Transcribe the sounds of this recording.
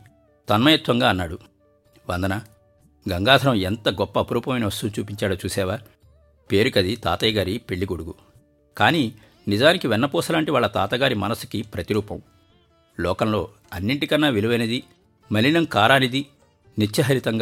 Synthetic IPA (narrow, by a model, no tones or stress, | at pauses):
t̪ɐnmɐjɐt̪ʋɐŋɡaːɐnːaːɽu | ʋɐnd̪ɐnɐ | ɡɐŋɡaːd̪ʰʱɐɾɐment̪ɐɡɔpːɐːpɐɾuːpɐmɐjniʋɐst̪ut͡ʃuːpiɲt͡ʃaːɽoːt͡ʃuːsɛːʋaː | peːɾukɐd̪it̪a̰ːt̪ɐjɡaːɾipe̞ɭːiɡoɽuɡu | kaːniː | nid͡ʒaːnikiʋɛnːɐpɔːsɐlaːɳʈiʋaːɭːɐt̪aːt̪ɐɡaːɾimɐnɐsu̥kipɾɐt̪iɾuːpɐm | lɔːkɐmlo̞ː | ɐnːiɳʈikɐnːaːʋiluʋɐjnɐd̪i | mɐlːinɐmkaːɾaːnid̪i | nit͡ʃːɐɦɐɾit̪ɐŋɡ